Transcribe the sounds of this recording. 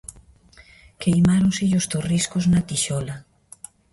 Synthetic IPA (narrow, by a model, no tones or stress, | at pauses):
kejmaɾõŋsɪʎost̪oriskoznat̪iʃɔla